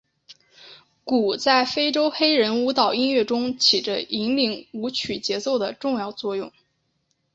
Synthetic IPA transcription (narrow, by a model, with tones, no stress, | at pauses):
ku˨˩t͡sa˥˩ɪfe˥ɪʈ͡ʂo˥ʊxe˥ɪɻə˧˥nu˧˥t̪ɑ˨˩ʊi˥nɥɛ˥˩ʈ͡ʂʊ˥ŋt͡ɕʰi˨˩ʈ͡ʂə˦i˧˥ŋli˧˥ŋu˧˥t͡ɕʰy˨˩t͡ɕjɛ˧˥t͡so˥˩ʊd̪ə˩ʈ͡ʂʊ˥˧ŋjɑ˥˧ʊt͡swɔ˥˧jʊ˥˩ŋ